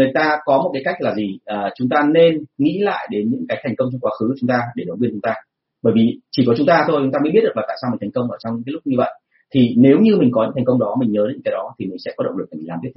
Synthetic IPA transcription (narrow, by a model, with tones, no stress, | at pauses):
ŋɨ˨˩əjt̪aː˧kɔ˨˦mo˨˩t̚kaː˨˦jka˦˥k̟̚laː˨˩zi˨˩ʔəː˨˩t͡ɕʊ˨˦ŋ͡mt̪aː˧ne˧nŋḭ˧˥la̰ː˧˨jɗe˨˦nɲɨ̰˧˥ŋkaː˨˦jt̪ʰjŋ̟kə˧wŋ͡mt͡ɕɔ˧wŋ͡mkwaː˨˦xɨ˨˦kːt͡ɕʊ˨˦ŋ͡mt̪aː˧ɗe˧˩ɗə˨˦ŋkwi˧nt͡ɕʊ˨˦ŋ͡mt̪aː˧ | ɓəː˧˩jvi˨˩t͡ɕi˨˩kɔ˨˦t͡ɕʊ˨˦ŋ͡mt̪aː˧t̪ʰo˧jt͡ɕʊ˨˦ŋ͡mt̪aː˧mə˨˦ɓi˥t̚ɗə˨˩aː˨˩t̪aː˧˨˩a˧mi̟˨˩t̪ʰa˨˩ŋ̟kə˧wŋ͡mʔəː˧˩t͡ɕɔ˧wŋ͡mɲɨ˧˥kːaː˨˦lʊ˦˥ɲɨ˧və̰˧˨jʔ | t̪ʰi˨˩ne˨˦wɲɨ˧mï˨˩ŋ̟kɔ˨˦ɲɨ̰˧˥t̪ʰŋ̟kə˧wŋ͡mɗɔ˨˦mï˨˩ŋ̟ɲəː˨˦e˨˦ɨ̰˧ŋkaː˨˦ɗɔ˨˦t̪ʰi˨˩mï˨˩ŋ̟sɛ̰˧˥kɔ˨˦ɗə̰˧˨ŋ͡mlɨ˨˩k̚aː˨˩mi˨˩˨lːa˨˩˨i˦˥t̪̚ʰ